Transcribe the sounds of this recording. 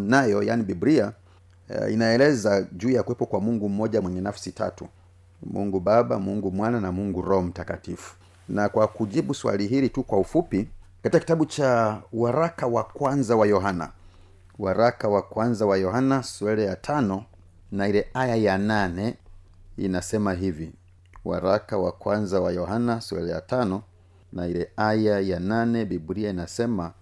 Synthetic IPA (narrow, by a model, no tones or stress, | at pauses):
najɔja̰niɓibɾia | ḭnaɛlɛzaʄuːjakuwɛpɔkwamuŋɡum̩mɔʄamwɛɲɛnafsita̰tṵ | mṵŋɡuɓaɓamuŋɡumwananamuŋɡuɾɔhɔm̩takatifu̥ | nakwakuʄiɓuswa̰liɦilitukwaufupikatikaki̥taɓut͡ʃawaɾakawakwanzawajɔɦana̰ | waɾakawakwanzawajɔhanasuɛlɛjatʰanɔ | nailɛajajananɛ | ḭnasɛmaɦivi | wa̰ɾakawakwanzawajɔɦanaswɛ̰lɛja̰tanɔ | nailɛajajananɛɓiɓuɾiainasɛma